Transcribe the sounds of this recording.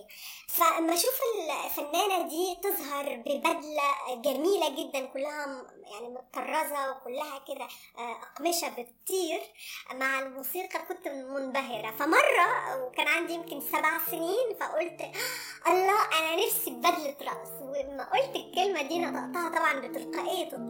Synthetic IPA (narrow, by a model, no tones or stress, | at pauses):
fæmːæʃuːfɪllfænːæːnad̪iːt̪ɨzˤɦɑɾˤbɪbæd̪læɡæmiːlæɡɪd̪ːænkʊlːæɦæjaʕnimʊt̪t̪ːɑrˤːɑzɑwekʊlːæɦækɪd̪æ | ʔɑqmɪʃæbɪt̪ˤːiːɾmaʕɪlmuːsiːqɑkʊnt̪mʊnbæɦɪɾæfæmɑrˤːɑwkæːnʕand̪ijɪmkɪnsæbʕasɪniːnfæʔʊlt̪ʔɑlˤːɑːʔænænɪfsibbæd̪lt̪ɾˤɑʔswɪmːæʔolt̪ɪlkɪlmæd̪iːnæt̪ɑ̰ʔt̪ˤɑːhɑt̪ˤɑbʕɑnbɪt̪ɪlqɑʔejːt̪